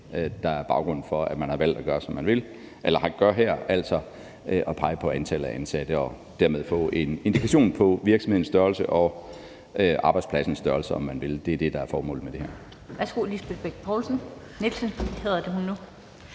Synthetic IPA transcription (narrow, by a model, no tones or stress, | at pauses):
ød̥ɑ̈æɐb̥ɑ̈ʊɡ̥ʁɔ̽n̰n̩fɒ̽æmænhɑ̈ʋæl̰d̥æɡ̥ɶːɐsɒ̽mːænʋe̝l | ʔelɐhɑ̈ɡ̥ɶɐɦæɐ̰æl̰sɒ̽ | øʔɒ̽pʰɑ̈ɪəpʰɒ̽ænt͡sʰæləæʔænsæd̥əɒ̽ | d̥æɐme̝ð̞ˠfɔ̰̽ːe̝ne̝nd̥ikʰæɕo̝̰ːnpʰɒ̽ʋiɐɡ̥sɒmhe̝ðˠnsd̥ɶɐlsəʔɒ̽ | ʔøʔɑ̈ːb̥ɑ̈ɪd̥spʰlæsn̩sd̥ɶɐlsɐɒ̽mːænʋe̝ld̥e̝æɐd̥e̝d̥ɑ̈æɐfɒːmɔ̰̽ːlð̩med̥e̝æɐ̰ | ʋæsɡ̥ulisb̥ed̥̚b̥eɡ̥̚pʰɒlsn̩ | nelsənheðˠɐd̥e̝ɦunːu